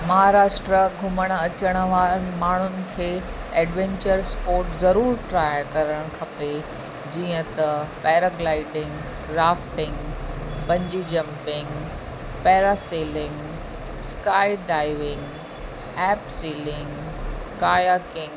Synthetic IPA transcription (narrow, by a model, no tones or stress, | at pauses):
mɐɦaɾaːʃʈɾəɡʱʊməɽ̃ɐt͡ɕəɽ̃ʋaːɾmaːɳ̤ʊnɪ̆kʰeːɛːɖʋẽɲt͡ɕəɾspoːɾʈzɐɾuːɾʈɾaːjəkɐɾəɽ̃kʰɐpe | d͡ʑiːə̃t̪ɐpɛːɾəɡlaːɪʈɪ̃ŋɡ | ɾaːfʈɪ̃ŋɡbɐ̃ɲd͡ʑid͡ʑɐ̃mpɪ̃ŋɡ | pɛːɾaseːlɪ̃ŋɡ | skaːiɖaːɪʋɪ̃ŋɡ | ɛːpsiːlɪ̃ŋɡ | kaːjakɪ̃ŋɡ